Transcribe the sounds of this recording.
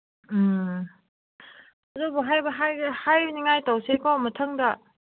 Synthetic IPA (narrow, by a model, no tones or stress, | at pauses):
ɐzubuɦajbɐɦajhajbɐniŋajtawsekawmɐtʰaŋdɐ